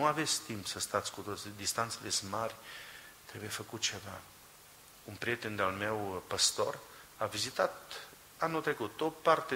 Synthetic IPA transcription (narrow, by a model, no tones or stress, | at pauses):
nuave̞t̪sʲt̪impsəst̪at̪sʲkut̪o̞t̪sid̪ist̪ant̪selesmarʲt̪ɾe̞bujefəkut̪̚t͡ʃe̞va̰ | unpɾiet̪e̞nd̪ealme̞wpəst̪o̞ravizit̪at̪ | anult̪ɾe̞kut̪opart̪e